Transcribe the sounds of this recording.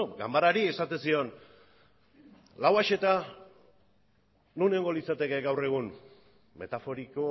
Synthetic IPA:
ɡa̰mbaɾaɾie̞sat̪e̞nsio̞n | lawaʃe̞t̪a | nuneoŋɡo̞lit͡sat̪e̞ke̞ɡawre̞ɣ̞un | me̞̰t̪afo̞ɾiko

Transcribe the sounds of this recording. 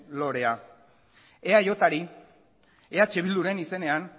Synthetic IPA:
lo̞ɾe̞a | eajot̪aɾi | eat͡ʃeβild̪uɾe̞nise̞ne̞an

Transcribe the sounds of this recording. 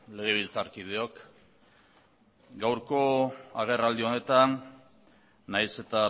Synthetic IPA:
le̞ɣ̞e̞β̞ilt͡saɾkið̞eok | ɡawɾko̞aɣ̞e̞rald̪io̞ne̞t̪an | ajse̞t̪a

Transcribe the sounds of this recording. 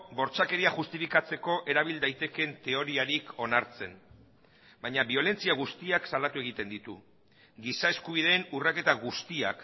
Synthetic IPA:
bo̞ɾt͡sake̞ɾiaʝust̪ifikat͡se̞ko̞ʔe̞ɾaβild̪ajt̪e̞ke̞nt̪e̞o̞ɾiaɾikʰo̞naɾt͡se̞n | baɲaβio̞le̞nt͡siaɣ̞ust̪iaksalat̪ue̞ɣ̞it̪e̞nd̪it̪u | ɡisae̞skuβ̞iðe̞ːnurake̞t̪aɣust̪ia̰k

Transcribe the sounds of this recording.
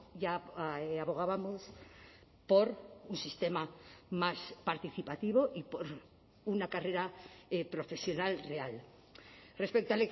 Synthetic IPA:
ʝaaβo̞ɣ̞aβamos | po̞ɾunsist̪e̞mamaspaɾt̪iθipat̪iβ̞o̞ʔipoɾ | unakare̞ɾaepɾo̞fe̞sjo̞nalreal | re̞spek̚t̪oalek

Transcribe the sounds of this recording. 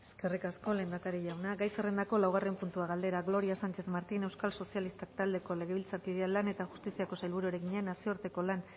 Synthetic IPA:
eske̞rikasko̞le̞nd̪akaɾiʝawnaɡajsere̞nd̪ako̞lawɣ̞are̞mpunt̪uaɣald̪e̞ɾaɣlo̞ɾiasant͡ʃe̞θmaɾt̪ine̞wskalso̞sialist̪ak̚t̪ald̪e̞ko̞le̞ɣ̞e̞βilt͡saɾkiðealːane̞t̪aʝust̪isiako̞sajlβuɾueɾeɣiɲeanasio̞ɾt̪e̞ko̞lan

